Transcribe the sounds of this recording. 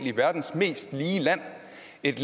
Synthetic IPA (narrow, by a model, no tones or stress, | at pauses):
liʋæɐd̥n̩sme̝̰ːsd̥liːlæn̰ | e̝d̥l